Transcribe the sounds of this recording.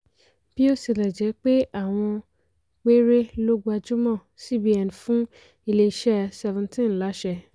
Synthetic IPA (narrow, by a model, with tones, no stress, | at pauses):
b̥i˦o˦si˨lɛ˨d͡ʒɛ˨˦k͡pe˦a˦˨w̃ɔ̃˧ | k͡pe˦ɾe˦lo˦ɡ͡bu˦a˧d͡ʒu˦mɔ̃˦˨si˦bi˦ɛ˨n˨fũ˦ | i˧le˧i˨ʃɛ˦sɛ˧vũ˨ntĩ˦˨n˨la˨˦ʃɛ˧